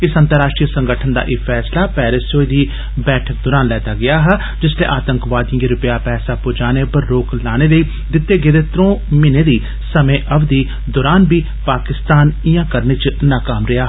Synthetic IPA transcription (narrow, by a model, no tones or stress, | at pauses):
ɪsənt̪əɾaːʃʈɾiːsə̃ŋɡəʈʰənd̪a̰ːʔɪːpʰɛːslaːpɛːɾɪsoːiːd̪iː | bɛːʈʰək̚d̪oːɾaːnlɛːt̪aːɡɪaːɦɛ | d͡ʒɪslḛːʔaːt̪əŋkʋaːd̪jĩːɡeːɾʊpɪjaːpɛːsaːpʊːd͡ʒaːneːpəɾːoːklaːñeːləiː | d̪ɪt̪ːeːɡɪːd̪eːt̪ɾõːmɪneːd̪iː | səmẽːʔəbd̪iː | d̪oːɾaːnbiː | paːkɪst̪aːnɪjãːkəɾnit͡ʃnaːkaːmɾɪaːɦ